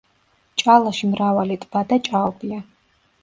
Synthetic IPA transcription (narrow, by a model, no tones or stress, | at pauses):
t͡ʃʼalaʃimravalit̪ʼb̥ad̪at͡ʃʼaɔbija